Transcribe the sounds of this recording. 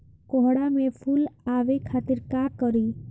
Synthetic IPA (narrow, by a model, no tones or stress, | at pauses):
kɔɦɽamẽpʰulaʋekʰat̪iɾkakəɾi